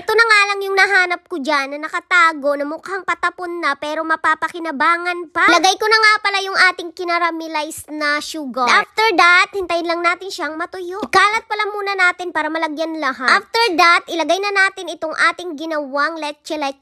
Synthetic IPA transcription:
ɛt̪onɐŋaːlɐŋjʊŋnɐɦaːnɐp̚kod͡ʒanːɐnɐkɐt̪aːɡo̞nɐmʊkaŋpɐt̪ɐponːɐpɛɾo̞mɐpaːpɐkɪnɐbaːŋɐnpɐlɐɡajkonɐŋapɐlajʊŋʔaːt̪ɪŋkɪnɐɾamɪlajsnɐʃuɡaʔaft̪ɛɹd̪ɐt̪̚hɪnt̪ɐjɪnlɐŋnaːt̪ɪnʃɐɐŋmɐt̪ʊjokaːlɐt̪̚pɐlamuːnɐnaːt̪ɪnpaːɾɐmɐlɐɡjɐnlɐɦaʔaft̪ɛɹd̪ɐt̪ʔɪlɐɡajnɐnaːt̪ɪnɪt̪oŋʔaːt̪ɪŋɡɪnɐwaŋlɛt͡ʃɛlɛt̪̚

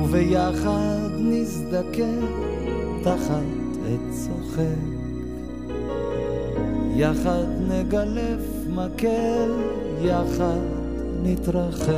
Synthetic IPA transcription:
uvɛjaχadnɪzdakɛ | daχad | ɛtt͡sɔχɛk | jaχadnɛɡalɛf | makɛl | jaχadd | nɪtɾaχɛ

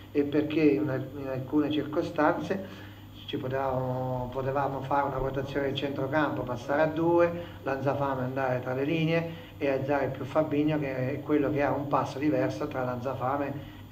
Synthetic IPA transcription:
epːerkenainalkuːnet͡ʃirkost̪ant̪se | t͡ʃipot̪evamopot̪evaːmofaːɾeunapot̪at̪sːjoːned̪it͡ʃɛnt̪ɾokampopasːaːɾead̪ːuːe | lad̪zafaːmeand̪aːɾet̪ɾalːeliːneeː | ad̪zaːɾeilpjufːabːiɲːokekːwelːokeaumpasːod̪ivɛrsot̪ɾaland̪zafaːme

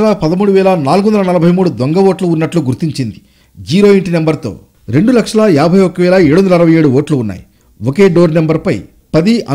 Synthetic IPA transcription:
lapɐd̪ɐmuːɽuʋɛːlɐnaːlɡuond̪ɐlɐnɐlɐbʱɐjmuːɽud̪ɔŋɡɐʋoːʈluːnːɐʈluɡuɾt̪iɲt͡ʃind̪i | d͡ʒiːɾoːiɳʈinembɐɾt̪o̞̰ː | ɾeɳɖulɐkʂɐlɐaːbʱɐjokɐʋɛːlɐeːɽuond̪ɐlɐɾɐʋɐje̞ːɽuʋoːʈluːnːa̰ːji | oke̞ːɖoːɾnɐmbɐɾpɐj | pɐd̪iʔɐ

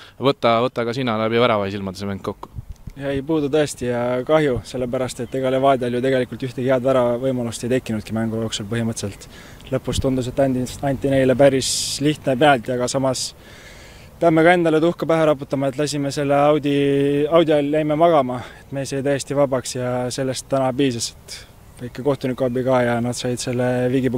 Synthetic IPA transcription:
vɤt̪ːˑɑvɤt̪ːˑɑɡɑsinːɑlæbivæɾɑvɑhisilmɑd̪esemæŋkkːokːu̥jɑejpuːd̪ut̪ɤest̪ijɑkɑɦjuse̞lːe̞pæɾɑst̪et̪ːeɡ̥ɑlevɑːd̪ʲiɑljut̪eɡe̞likult̪yht̪eheɑd̪væɾɑvɤjmɑlust̪ejt̪e̞kːˑinud̪̚kimæŋɡ̥ujo̞ːksulpɤɦimɤt̪se̞lt̪ | lɤpːˑust̪und̪us̬e̞t̪ːɑɑnʲt̪ːˑine̞jle̞pæɾisliht̪nepenɑlt̪ːiɑɡ̥ɑsɑmɑs | peɑmːe̞kɑe̞nd̪ɑle̞t̪uhkɑpæɦeɾɑput̪ːˑɑmɑet̪ˑlɑs̬ʲimese̞lːeɑwd̪ʲiɑwd̪ʲiɑlːæjmemɑɡ̥ɑmɑe̞t̪me̞ːsɑjt̪æjest̪ivɑbɑksjɑse̞lːe̞st̪ːænɑbiːsɑse̥t̪ | væjkːˑeko̞ht̪unikːuɑbikɑːjɑnɑd̪sɑjd̪se̞lːe̞viɡipu

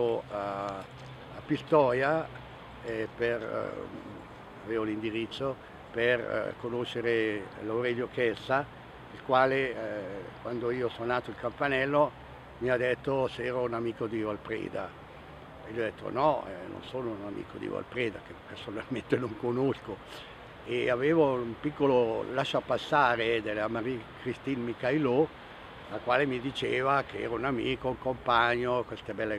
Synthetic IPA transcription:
oa | apːist̪ɔːja | ɛper | aveːvolind̪iɾit̪sːo | per̰konoʃːeɾelawɾɛʎːokɛsa | ilkwaːle | kwand̪oiːosononaːt̪oilkampanɛlːo | miad̪et̪ːosɛːɾounamiːkod̪ioalpɾḛːd̪a | eliɔd̪et̪ːo̰nɔɛno̰nsoːnounamḭːkod̪ḭva̰lpɾeːd̪akepersonalment̪enoŋkonosko | eaveːvoumpikːololaʃːoapasːaːɾed̪elamaɾikɾist̪inmikajlo | lakwaːlemid̪it͡ʃeːvakeɛ̰ːɾaunamḭːkouŋkompaɲːokwest̪ebɛlːe

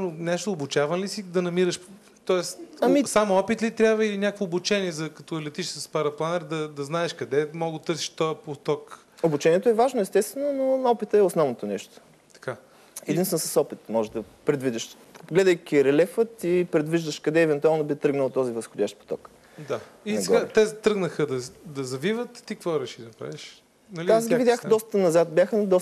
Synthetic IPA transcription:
nonɛʃt̪oːbʊt͡ʃavənlisid̪ɐnɐmiɾɐʃ | t̪ɔɛsɐmisamɔpit̪lit̪ɾʲabvəinʲakvoːbut͡ʃɛniɛzɐkɐt̪ɔɛlɛt̪iʃsəspaɾɐplˠanɛɾd̪ɐd̪ɐznaɛʃkɐd̪ɛmɔɡot̪ɤɾsi̥ʃt̪ɔɛpot̪ɔk | obut͡ʃɛnʲiɛt̪oɛvaʒnoɛst̪ɛst̪vɛnononɔpit̪əɛosnɔvnot̪onɛʃt̪o̥ | t̪ɐ̥ka | ɛd̪inst̪vɛnsɐsɔpit̪mɔʒɛd̪ɐ | pɾɛd̪vid̪ʲiʃ | ɡlɛd̪əjkʲiɾɛlɛfət̪ipɾɛd̪viʒd̪əʃkɐd̪ɛːvɛnt̪ualˠnobit̪ɾɤɡnəlˠt̪ɔzivəsxodʲjaʃt̪̚po̥t̪ɔ̰k | d̪a | iɡ̪ɛɡat̪ɛzt̪ɾɤɡnəxəd̪ɐd̪ɐzɐvivət̪t̪ikvɔɾɛʃid̪ɐpɾa̰viʃ | nɐlʲiasɡʲivid̪ʲjaxd̪ɔst̪ənɐzat̪̚bjaxd̪ɔ

